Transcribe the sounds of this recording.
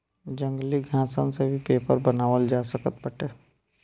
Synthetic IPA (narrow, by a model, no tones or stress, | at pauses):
d͡ʒə̃ŋɡliɡʱãːsənsebʱipeːpəɾbənaːʋəld͡ʒaːsəkət̪̚bəʈeː